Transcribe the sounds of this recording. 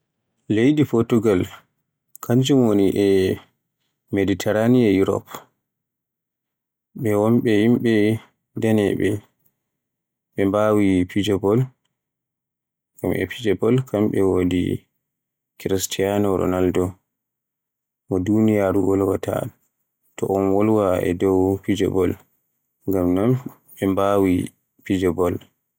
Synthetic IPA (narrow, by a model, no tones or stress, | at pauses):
lejɗipɔɾtuɡal | kʰaɲd͡ʒumwoniʔɛ | meditʰɛɾaniɛjuɾɔ̰p | ɓɛwɔmɓɛhimɓɛ | dɛnɛɓɛ | ɓɛmbawipid͡ʒɔbɔl | ɡamʔɛ̰pid͡ʒɛbɔlkamɓɛwodḭ | kɾistʰijanɔɾɔ̰naldɔ | mɔdunijaːɾwɔlwatʰa̰ | tɔʔɔnwɔlwaʔɛ̰dɔwpid͡ʒɔ̰bɔ̰l | ŋɡamnam | ɓɛmbawi | pid͡ʒɔbɔl